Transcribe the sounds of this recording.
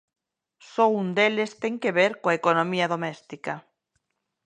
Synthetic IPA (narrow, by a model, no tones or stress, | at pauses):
sound̪elest̪eŋkeβeɾkoaekonõmiaðomest̪ika